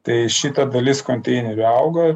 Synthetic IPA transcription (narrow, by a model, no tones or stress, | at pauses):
t̪ɐɪʃʲit̪ɐd̪ɐlʲɪskonʲt̪ʲɛɪnʊɾʲɐʊɡɐ